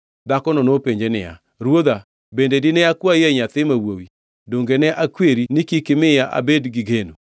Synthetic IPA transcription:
d̪akɔnɔnopeɲd͡ʒenɪ̰a̰ | ɾwod̪a | bendedɪnɛakwajɛɲat̪ɪmawowi | doŋɡenɛʔakweɾinikikɪmɪjaʔa̰bedɡɪɡeno

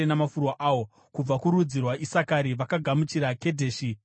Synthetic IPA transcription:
enamafurwaʔaːwo̞ | kub͡vakuɾud͡zirwaʔisakaɾiʋakaɡʱamut͡ʃiɾake̞dʱe̞ːʃi

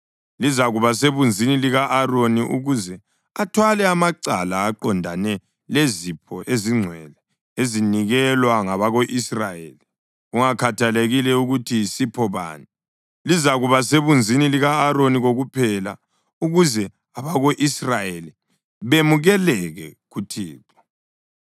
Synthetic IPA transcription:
lizaɣuβaseβund͡zʱiniliɣaʔːroniʔṵɣuzɛ | atʰwalɛamaǀalaːǃɔndʱanɛ | lezipʰɔʔeziŋ͡ǀʱwɛlɛ | eziniɣɛlwaŋaβaɣoʔisrajḛːli | ɣuŋakʰatʰaleɣilɛuɣutʰisipʰɔβa̰ːni | lizaɣuβaseβund͡zʱiniliɣaːɾoniɣoɣupʰɛla̰ | uɣuzɛ | aβaɣoʔisrajeli | βemuɣɛlɛɣɛɣutʰiːǁɔ̥

